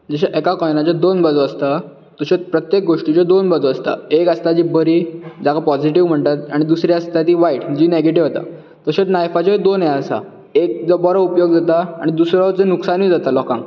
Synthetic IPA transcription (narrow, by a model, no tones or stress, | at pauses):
d͡zəɕ̬aʔɛkakɔjnat͡ɕad̪onbəd͡zɔəst̪a | t̪əɕet͡spɾət̪jek̚ɡoʂʈit͡ɕad̪onbəd͡zoəst̪a̰ekəst̪ad͡ʑiːbəɾiːd͡ʑakapɔd͡ʑiʈiʋm̤əɳt̪at̪aɽ̃id̪usɾjaəst̪at̪iːʋaiʈd͡ʑiːneɡeʈ̬iʋɦot̪a̰ | t̪əɕet̪najfat͡ɕaid̪onɛəsa̰ | ek̚d͡zɔbɔɾaupjoɡd͡zat̪aa̰ɽ̃id̪usɾat͡senuksanʋiːd͡zat̪alɔkãŋɡ